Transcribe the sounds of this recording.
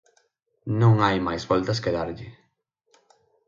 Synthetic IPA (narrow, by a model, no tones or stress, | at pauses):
nõŋajmajzβɔlt̪ɐskeðaɾʎɪ